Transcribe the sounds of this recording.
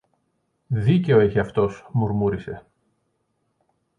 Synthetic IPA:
ðice̞oeçiɐft̪o̞smuɾmuɾise̞̰

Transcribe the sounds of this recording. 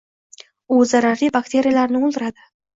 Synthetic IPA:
uzaɾaɾibakt̪ʰe̞ɾʲijalaɾnɪʊlˠd̪ɪɾad̪ɪ

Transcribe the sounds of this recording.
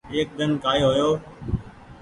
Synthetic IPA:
eːk̚d̪ənkaːiɦojoː

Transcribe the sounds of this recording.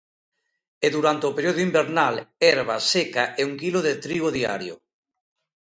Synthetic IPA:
eðuɾant̪eopeɾjoðoimbeɾnalɛɾβ̞asekaʔeuŋkiloðet̪ɾiβoðia̰ɾjo̰

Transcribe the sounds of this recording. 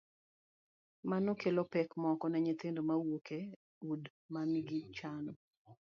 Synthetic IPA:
manokelopɛkmɔkɔnɛɲet̪endomawokʰe | ud | mamiɡit͡ʃanɔ

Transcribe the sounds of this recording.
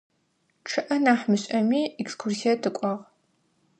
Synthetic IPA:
ʈ͡ʂʰɨʔɐnaːħmɨɕʼɐmiːɛkskʰursijɐtʰɨkʷʼɔʁ

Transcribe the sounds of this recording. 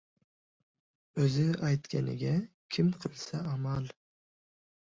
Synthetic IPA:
ɵzɪajt̪kʲʰanɪ̰ɡʲa | kʲʰɪmqʰɨlˠsaamal

